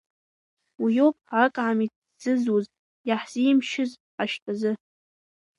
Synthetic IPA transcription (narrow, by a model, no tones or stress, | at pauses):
wijopʼʕakʼʕami | d͡zɨzuz | jaħz̥imʃɪz | aʃtʰʼazɨ